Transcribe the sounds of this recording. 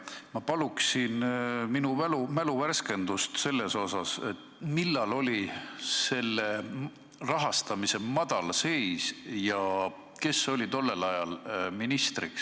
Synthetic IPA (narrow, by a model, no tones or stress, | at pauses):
mɑpɑluksinminuvælumæluværske̞nd̪̥ust̪se̞lːe̞so̞sɑset̪ː | milːɑlo̞lʲise̞lːe | rɑɦɑst̪ɑmise̞mɑd̪̥ɑlse̞jsjɑ | ke̞so̞lit̪o̞lːe̞lɑjɑlminist̪riks